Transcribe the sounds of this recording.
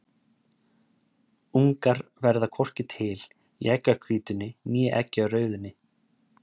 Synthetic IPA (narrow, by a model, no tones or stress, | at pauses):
uŋkaɾvɛɾðakʰɔr̥cɪt̪ʰɪl | ḭɛcːakʰviːt̪ʏnːɪnjɛʔɛcːɪawrœːɥðʏnːɪ